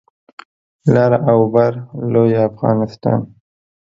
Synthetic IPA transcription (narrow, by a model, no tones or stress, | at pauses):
lɑɾawbaɾlojafɣɑ̰nɪst̪ɑ̰ːn